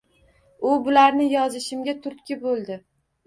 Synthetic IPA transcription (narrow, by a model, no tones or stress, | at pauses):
ʊbʊlaɾnɪjɒzɪʃɪmɡʲat̪ʰʊɾt̪kʲɪbolˠd̪ɪ